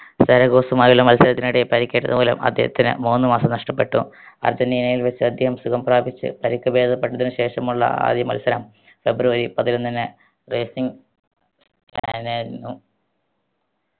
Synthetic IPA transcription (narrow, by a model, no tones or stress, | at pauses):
st̪ɐɾɐɣo̞ːsumaːjulːɐmɐlsɐɾɐt̪ːinuɽepɐɾikʲːeːʈːɐðɨboːlɐ̰mʔɐ̰d̪ʱjḛhɐ̰t̪ːinɨ̰muːnːɨmaːsɐmnɐʂʈɐpːe̞ʈːṵɐ̰rd͡ʑɐniːnɐjilʋet͡ɕːɨɐd̪ʱjɐɦɐmsukɐmpraːbit͡ɕːɨ̰pɐɾikʲːɐbe̞ːd̪ʱɐpːeʈːɐðinɨɕe̞ːʂɐmuɭːɐ̰a̰ːd̪jɐmɐ̰lsɐɾɐm | fe̞bruʋɐɾipɐðilonːinɨ | reːsiŋ | s | kanainːu